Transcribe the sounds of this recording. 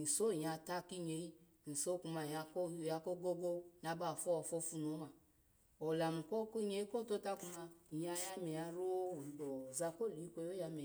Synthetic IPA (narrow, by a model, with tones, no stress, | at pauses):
n̩˨so˦˨ja˨ta˦ki˦ɲe˨i˦˨ | n̩˨so˦ku˧ma˨a˨˧˦ja˨˧ko˦ɡo˦ɡo˦na˧ba˦˨fɔ˦ɔ˨fɔ˧fu˧no˨˦a˨ | o˨la˨mu˨ko˦kɲe˧˦i˦ko˦˨to˦ta˦ku˧ma˧i˨ja˧˦ja˧me˨a˧ɾo˦˨do˨za˧ko˦˨li˨˦i˦kʷo˧jo˦ja˧me˨